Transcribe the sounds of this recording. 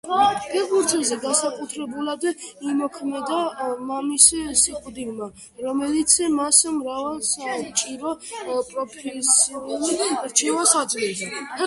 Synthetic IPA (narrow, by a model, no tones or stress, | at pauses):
ɡ̥ɛbuɾzɛzɛɡansakʼut̪ʰɾɛbulad̪imɔkʰmɛd̪amamissiqʼud̪ilma | ɾɔmɛlit̪sʰmasmɾavɛlˠsamt͡ʃʼiɾɔpʼɾɔpʰɛsiuliɾt͡ʃʰɛvasad̪zlɛzɛ